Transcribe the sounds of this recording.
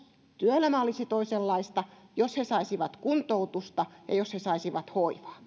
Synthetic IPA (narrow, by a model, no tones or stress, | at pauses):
t̪yøelæmæolisit̪oiselːɑist̪ɑjoshesɑisiʋɑt̪kunt̪out̪ust̪ɑjɑ̰joshesɑisiʋɑt̪hoiʋɑ̥ː